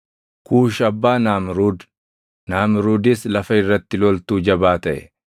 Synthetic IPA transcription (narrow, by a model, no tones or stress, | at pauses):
kuːʃɐbːaːnaːmɾuːd̪ | naːmɪɾuːd̪ɪslɐfɐɪrːɐt̪ːɪlɔlt̪uːd͡ʒɐbaːt̪ɐʔɛ̰